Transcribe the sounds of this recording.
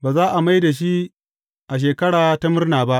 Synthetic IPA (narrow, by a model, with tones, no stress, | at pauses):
baː˨zaː˦ʔa˨ma˦jda˨ʃ̬i˦ | ʔa˨ʃ̬eː˨kɐ˦ɽaː˨ta˦mɪ˦rnaː˨ba˦ʔ